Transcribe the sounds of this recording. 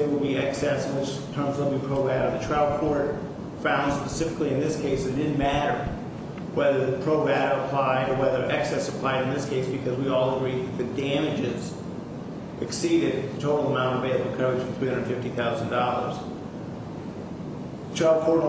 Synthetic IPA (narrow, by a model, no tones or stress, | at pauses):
ɨwəlˠbiɛksɛsnwɪt͡ʃ | tʰɜ̃˞mzðəl̩ˠbipʰɹ̥oʊvæɾəðɨtʰɹ̥aʊd̚kʰɔɹt̚ | fãʊ̃nd̥spəsɪfɨkliɨ̃nðɪskʰeɪsɨ̃ndɪdⁿn̩mæɾə˞ | wɛðə˞ðɨpʰɹ̥oʊvæɾəəpʰl̥aɪɾə˞wɛðə˞ʔɛksɛsəpʰl̥aɪɾɨ̃nðɪskʰeɪsb̥ɨkʰʌzwiɔlˠəɡɹiðɨt̪̚ðɨd̥æ̃mɨd͡ʒɪz | ʔɨksiɾɨd̪̚ɨtʰoʊɾl̩ˠəmãʊ̃ñtʌveɪlˠbɨkʰoʊt͡ʃʌ̃θɹihʌ̃ndə˞dnfɪftiθaʊzn̩dɔlˠə̰˞z̥ | ðɨtʰɹ̥aʊd̚kʰɔɹt̚